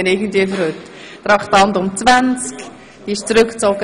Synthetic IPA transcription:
ɪnɪɡən̩tviəfəɾhøt | t̪rɑχtɑntʊmt͡svant͡sk | iɪʃt͡sɾʏkt͡soɡə

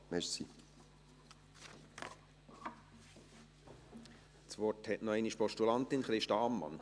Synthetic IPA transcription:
mɛɾsi | t͡sʋɔrthɛtnɔɛɪniʃpɔʃtulɑnt̪ɪnχɾɪʃtɑːmːɑ̰n

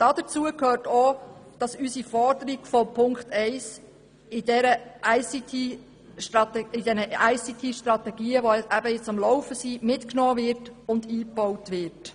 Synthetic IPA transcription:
d̥ɑd̥̪ət͡suəkʰhøːɾtod̥ɑsysifɔɾdəɾiɡ̥fɔpʰʊŋkχtɛɪs | ɪdɛɾəʔæɪsit̪ʰi | ʃtɾɑtɛɪd̥ɛnəʔʔæɪsit̪ʰiʃtɾɑt̪ɛɡiːəʋɔʔæbəjɪt͡sɑmlɔwfəsimɪtknɔːʋɪɾtʊnd̪iːpːɔwtʋɪɾt

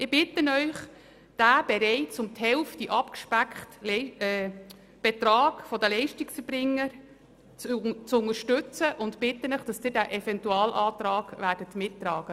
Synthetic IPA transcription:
ɪb̥ɪtːənœʏχ | d̥æːb̥ɛɾɛɪt͡sʊmthɛlftiʔɑpkʃpækχtlɛ | b̥ɛtɾɑːɡ̥fɔdəlɛɪʃtiksfəbɾɪŋːəɾ | t͡st͡sʊŋəɾʃtʏt͡səʔʊntpɪtːənœχd̥ɑsd̥ɪːdæːʔɛfɛntuɑːlʔɑːt̪ɾɑːɡ̥ʋæːɾdətmɪtːrɑːɡ̥ə

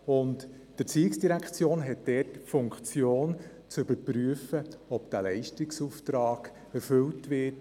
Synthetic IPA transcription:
ʊnt | d̥əɾt͡siːɪksd̥iɾækʰt͡sjoːnɦɛt̚d̥ɛtfʊŋkχt͡sjoːn | t͡sʏbəpryəfəɔpd̥ælɛɪʃtɪksuft̪ɾɑːɡ̥ | ɛɾfʏltʋɪt

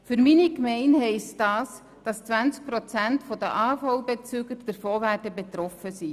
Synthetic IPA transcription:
fʏɾminikmɛɪnhɛɪstdɑːs | d̥ɑst͡sʋænt͡sk̚pɾɔt͡sæntfɔd̥əʔɑːfɑwbet͡syːɡəɾd̥ɛɾfoːɾvæːtɛbet̪ɾɔfəsi

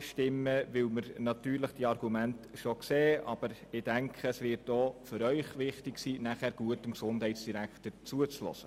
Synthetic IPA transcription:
ʃtɪmːəʋɪlməɾnɑtyːɾləχd̥iɑrɡ̥umæntʃokseːʔɑb̥əɾɪd̥æŋkʰχəəsʋɪɾtoːføɾœʏχʋɪχtɪksiːnæχæːɾɡ̥uətəmksʊndɦɛɪtsd̥iɾæktət͡suət͡slɔ̰sə

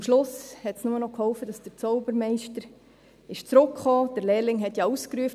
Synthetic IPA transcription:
mʃlʊshɛtsnʊmənɔkhɔlfəd̥ɑsd̥əɾt͡sɔʊbəɾmɛɪʃtəɾ | ɪʃt͡sɾʊkχɔːd̥əɾlɛːɾlɪŋɦɛtjɑuskɾuəf

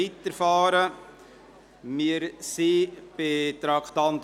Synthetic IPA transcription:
it̪əɾfɑːɾə | mɪɾsib̥et̪ɾɑkt̪ɑnt̪

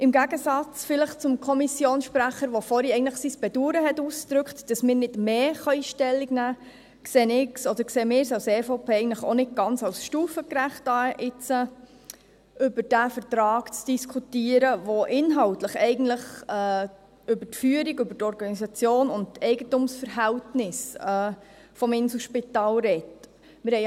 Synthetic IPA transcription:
ʔɪmɡæɡəsɑt͡sfɪləχt͡sʊmkʰɔmisjoːnsʃpɾæχəɾʋofɔɾiɛɪɡən̩tləχsisb̥ɛduːɾəɦɛtuːsd̥̪ɾʏkχtd̥ɑsmɪːɾnɪdmeːχɑiːʃtɛlːiɡnæː | kseːnɪksɔd̥əɾkseːmɪːɾsɑʊsɛːfoʊpʰeːɛɪən̩tləχo̰nɪt̚ɡ̥ɑnt͡sɑʊsʃtuːfəkɾæχt̚ɑːʔɪt͡sə | ʔʏbəɾd̥æfəɾtɾɑːɡt͡sd̥iskʰutiəɾəʋoʔɪnɦɑltləχɛɪɡən̩tləχɛ | ʏbətfyːəɾiɡʏbətɔɾɡɑnisɑt͡sjoːnʊnttɛɪɡətʊmsfəɾɦæltnɪsɛː | fɔmɪnsuʃpitɑːlɾɛt | mɪɾhɛɪ

